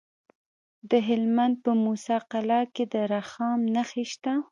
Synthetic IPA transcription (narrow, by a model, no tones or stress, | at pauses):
d̪əɦɪlmand̪̚pəmusɑqalɑked̪əɾaxɑmnaxeʃt̪a